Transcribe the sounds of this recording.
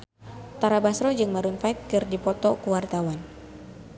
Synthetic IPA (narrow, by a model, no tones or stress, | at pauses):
t̪aɾabasɾɔd͡ʒɨŋmaɾunfaɪt̪̚kɨrdipɔt̪ɔkuwart̪awan